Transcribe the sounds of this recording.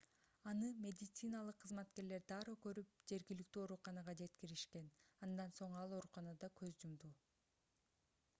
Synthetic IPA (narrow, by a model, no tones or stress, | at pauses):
ɑnɯmʲe̞d̪ʲɪt̪sɨnalˠɯqʰːɯzmɑt̪ke̞ɾle̞ɾd̪ɑːɾɯkø̞ɾyp̚d͡ʒe̞ɾɡʲilik̚t̪yːo̞ɾuqɑnɑʁɑd͡ʒe̞t̪kiɾiʃke̞nɑnd̪ɑnso̞ɴɑlˠo̞ɾuqɑnɑd̪ɑkʰø̞zd͡ʒumd̪u